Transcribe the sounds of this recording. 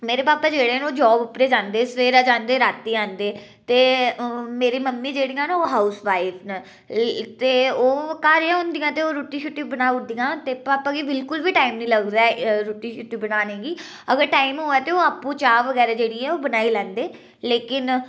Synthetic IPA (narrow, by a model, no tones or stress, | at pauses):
meːɾeːpaːpaːd͡ʒeːɽeːnoːd͡ʒɔːbʊpɾeːd͡ʒãːnd̪eːsəʋeːɾaːd͡ʒãːnd̪eːɾaːt̪ːiːãːnd̪eː | t̪eːmeːɾiːməmːĩːd͡ʒeːɽijãːnːoːɦaːʊsʋaːɪfʰne | t̪eːoːkaːɾjãːɦʊ̃nd̪ijãːt̪eːoːɾuːʈĩːʃʊʈːiːbənaːʊd̪ijãːt̪eːpaːpaːɡiːbɪlkʊlʋiːʈaːimnĩːləɡd̪aːɛɾuːʈiːʃʊʈːiːbənaːnẽːɡiː | əɡəɾʈaːimɦʊːɛːt̪eoːaːpːũːt͡ʃaːʋəɡɛːɾaːd͡ʒeːɽiːɛːoːbənaːiːlɛ̃ːnd̪eː | leːkɪn